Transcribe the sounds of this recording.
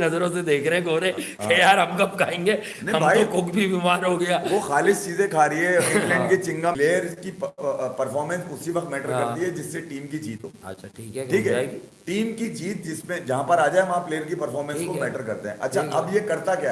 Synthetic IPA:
nɐzəɾõsed̪eːkʰɾɐɦɛ̃koːɾeẽ | kejaːɾɦɐmkɐp̚kʰaːẽːŋɡeː | nɐɦĩɦɐmʱaːiokʊkbʱibiːmaːɾɦoɡɐjaːʋoxaːlɪst͡ʃiːzẽkʰaːɾəɦiɦɛɪ̃ŋlɛ̃ɳɳɖkit͡ʃɪ̃ŋɡaleːjəɾskipɐɾfʰɔːɾmɛ̃nsʊsiʋɐk̚t̪mɛːʈəɾkɐɾt̪iɦɛd͡ʒɪsːeʈiːmkit͡ʃiːt̪ɦo̰ːɐ̰tːʃʰaʈʰiːkɦɛkʈʰiːkɦɛaːeɡiʈiːmkit͡ʃiːt̪̚d͡ʒɪsmẽd͡ʒɐɦãpɐɾaːd͡ʒaːeʋɐ̃ɦãpleːəɾk̬ipɐɾfɔːɾmɛ̃nsːkomɛːʈəɾkɐɾt̪eɦɛ̰̃ʔɐ̰tːʃʰaʔɐbjekɐɾt̪akjaː

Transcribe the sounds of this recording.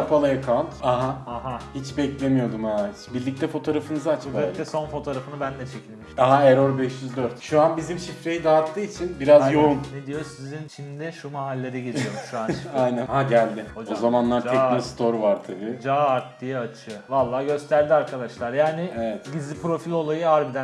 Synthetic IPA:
pʰalˠajakʰalˠt̪aɦaaɦahit͡ʃbɛclʲe̞mijo̞d̪umaːt̪biɾlʲic̚t̪ʰɛfo̞t̪ʰo̞ːɾafɯnɯzaat͡ʃʰkat̪ɛso̞nfo̞t̪ʰoːɾafɯnɯbænd̪ɛt͡ʃʰecʲʰilʲmiʃaɦaeɾoɾbɛʃjyzd̪øɾt̪ʃuanbizimʃifɾe̞jid̪aːt̪ʰːɯːit͡ʃʰinbiɾazjounned̪ijosizint͡ʃʰimd̪ɪʃumaɦalʲːeɾɛɟelijoɾmʃuanajnænhaɟælʲd̪ɪoo̞zamanlˠaɾʰɛmist̪ʰo̞ɾvaɾt̪ʰabid͡ʒaːaɾt̪d̪ijɯat͡ʃʰɯvalˠːaːɟø̞st̪ʰæɾd̪iaɾkʰad̪aʃlˠaɾjaːnɪevɛt̪ɟizʲipɾo̞filʲo̞lˠajɯaɾbid̪æ

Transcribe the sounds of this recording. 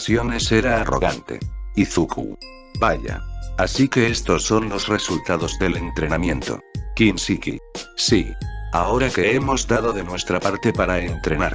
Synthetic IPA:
sjo̞ne̞se̞ɾaːro̞̰ɣa̰nt̪e̞̰iθukṵ | baʎa̰asike̞est̪o̞sːo̞nlo̞sre̞sult̪að̞o̞zðe̞le̞nt̪ɾe̞namjẽ̞nt̪o̞̰kinsikḭsia̰o̞ɾakeemo̞zd̪aðo̞ðenwe̞st̪ɾapaɾt̪e̞paɾaent̪ɾe̞na̰ɾ

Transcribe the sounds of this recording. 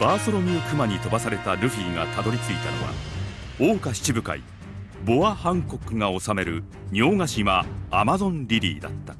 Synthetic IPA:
b̥aːsoɾo̞mʲiokɯ̟maɲ̟it̪o̞basaɾe̞t̪aɾɯ̟ɸiːŋa̰t̪ad̪o̞ɾʲit͡sɨit̪a̰no̰βa̰ | o̞ːkaɕi̥t͡ɕibɯ̟ka̰ḭ | bo̞ahãŋko̞kɯ̟ŋao̞same̞ɾɯ̟ | ɲo̞ːŋaɕiβaːmazõ̞nɾʲiɾʲḭːd̪a̰t̪ːḁ

